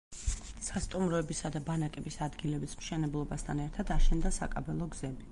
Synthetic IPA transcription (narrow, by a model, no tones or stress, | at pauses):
sast̪ʼumɾɔɛbisad̪abanakʼɛbisad̪ɡilɛbismʃɛnɛblˠɔbast̪ʰanɛɾt̪ʰad̪aʃɛnd̪asa̰kʼa̰bɛlˠɔɡz̥ɛbi